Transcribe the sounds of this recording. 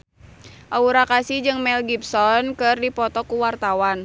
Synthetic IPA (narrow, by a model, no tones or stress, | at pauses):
ʔauɾakasid͡ʒɨŋmɛlɡipsɔnkɨrdipɔt̪ɔkuwart̪awan